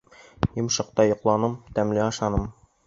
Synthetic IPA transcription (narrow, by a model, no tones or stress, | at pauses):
jŏmʃɤ̆q̚t̪ɑjŏqlˠɑnɤmt̪æmliɑʃɑnɤm